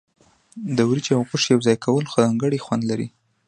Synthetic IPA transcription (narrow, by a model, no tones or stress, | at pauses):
d̪əwɾid͡ʒawɣʊʂjawzɑjkawəlxozɑŋɡəɽixwand̪laɾḭ